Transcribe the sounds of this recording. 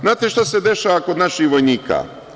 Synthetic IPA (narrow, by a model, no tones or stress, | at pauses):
znaːt̪eʃt̪ased̪e̞ʃaʋakod̪naʃixʋo̞jniːka̰ː